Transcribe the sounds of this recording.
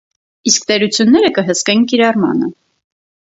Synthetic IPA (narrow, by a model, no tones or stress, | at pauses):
iskt̪ɛɾut͡sʰjunːɛɾəkəɦəskɛnkiɾɑrmɑ̰nə